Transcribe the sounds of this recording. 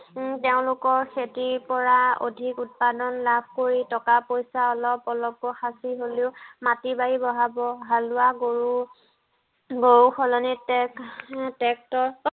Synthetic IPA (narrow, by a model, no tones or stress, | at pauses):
teʊ̃lʊkɔɹxʰetiɹpɔɹao̰dʱikut̚padɔnlabʱkoɹitɔkapojsaɔlɔpɔlɔp̚koxasiɦoleʊmatibajibɔɦabɔɦalʊaɡoɹu | ɡoɹuxɔlɔnitɛktɛk̚tɔ